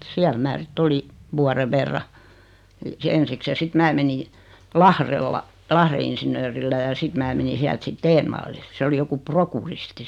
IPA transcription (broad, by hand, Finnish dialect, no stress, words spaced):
siæl mæː sitː oli ʋuɑre ʋerːɑ ensiks jɑ sit mæː meni lɑhrelːɑ lɑhre insinøːrilːæ jɑ sit mæː meni siælt sit teːnʋɑlːil se oli joku prokuristi